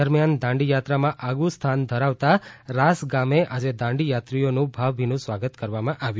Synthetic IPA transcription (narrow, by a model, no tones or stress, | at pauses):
əɾmjand̪ãɳɖijat̪ɾamãʔaɡust̪ʰand̪ʱəɾaʋt̪aɾasɡameʔad͡ʒed̪ãɳɖijat̪ɾijonũbʱaʋbʱinũsʋaɡət̪kəɾʋamãʔaʋjũ